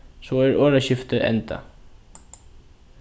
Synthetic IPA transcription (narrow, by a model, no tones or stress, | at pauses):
sɔɛɹøːɾaɕɪft̪əʔɛ̰nt̪a̰